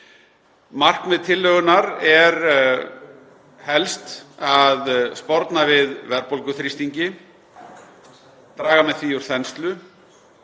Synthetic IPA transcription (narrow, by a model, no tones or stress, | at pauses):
mar̥kmɛðt̪ʰɪlːœːɣʏnaɾɛɾ | hɛlst̪aðspɔɾt̪navɪðvɛɾpɔlkʏθɾist̪iɲcɪ | t̪ɾaːɣamɛðθviuɾ̥θɛnst̪lʏ